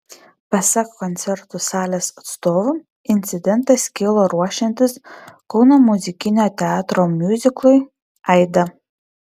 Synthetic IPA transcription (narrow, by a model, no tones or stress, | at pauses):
pɐsʲɐkkɔnʲt̪sʲɛɾt̪ʊsɑːlʲeːsɐt̪st̪oːʋʊ | ɪnʲt̪sʲɪd̪ʲɛnt̪ɐsʲkʲɪlˠoːɾuɔʃʲɛnʲt̪ʲɪskɔʊnomʊzʲɪkʲɪnʲoːt̪ʲɛɑːt̪ɾoːmʲjʊzʲɪklˠʊj | ɛɪd̪ɐ